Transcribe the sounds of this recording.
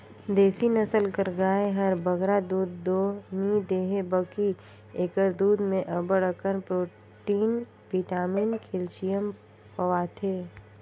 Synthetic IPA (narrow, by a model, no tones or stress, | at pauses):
d̪eːsinəsəlkəɾɡaːeɦɐɾbəɡɾad̪uːd̪ːoːnid̪eːɦebəki | eːkəɾd̪uːd̪mẽʔəbəɽkəɾpɾoː | ʈiːn | piːʈaːminkʰelt͡ʃijəm | pəʋat̪ʰeː